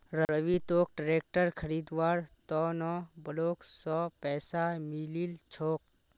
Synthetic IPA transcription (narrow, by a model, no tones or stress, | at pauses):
ɾəɾəʋit̪oːk̚ʈɾeːk̚ʈəɾkʰəɾiːd̪ʋaːɾt̪ɔːnɔ̃bəloːksɔːpɛːsamililt͡ʃʰoːk̚